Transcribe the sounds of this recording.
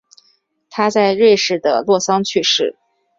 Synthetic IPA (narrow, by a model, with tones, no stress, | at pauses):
t̪ʰa˥t͡sa˥˧ɪɻe˥˧ɪʂɻ̩˥˩d̪ə̰˩lwɔ˥˩sɑ˥ŋt͡ɕʰy˥˧ʂɻ̩˥˩